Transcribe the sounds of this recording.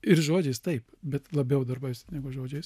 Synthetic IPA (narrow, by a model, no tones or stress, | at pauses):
ɪɾʒoːd͡ʒʲɛɪst̪ɐɪpbʲɛt̪lˠɐbʲɛʊd̪ɐrbɐɪsnʲæːɡʊʒoːd͡ʒʲɛɪs